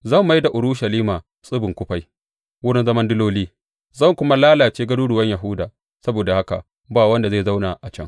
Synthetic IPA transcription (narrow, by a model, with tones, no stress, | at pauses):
zɐ˦˨mːa˦jda˨ʔʊ˨ɾʊ˦ʃɐ˨liː˦maː˨ | sʼʊ˦bɪ˨ŋkʷʊ˦ɸa˦j | wʊ˦ɽɪ˦nzɐ˦mɐ˦ndʊ˦loː˦liː˦ | zɐ˦˨ŋkʷʊ˦ma˦laː˦laː˨t͡ʃeː˦ɡɐ˦duː˦ɽʊ˨wɐ˦ɲja˨ɦʊ˦daː˨ | sɐ˦boː˨da˨ha˦ka̰˨ | baː˦˨wɐ˦nda˨zeː˦˨za˦wna˨ʔa˨t͡ʃɐ˦˨ŋ